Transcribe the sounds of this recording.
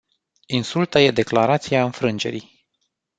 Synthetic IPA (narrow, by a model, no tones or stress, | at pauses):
insult̪aje̞d̪e̞klaɾat̪sijaɨnfɾɨnd͡ʒe̞̰ɾḭj